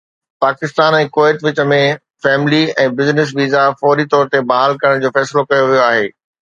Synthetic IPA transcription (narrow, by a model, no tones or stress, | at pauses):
paːkɪst̪aːnɛ̃ːkoːɪʈʋɪt͡ɕə̆mẽ | fɛːmɪliɛ̃ːbɪznɪs̬ʋiːzafɔːɾit̪ɔːɾt̪ebɐɦaːlkɐɾəɽ̃d͡ʑoːfɛːsɪlokɐjoʋijoaːɦeː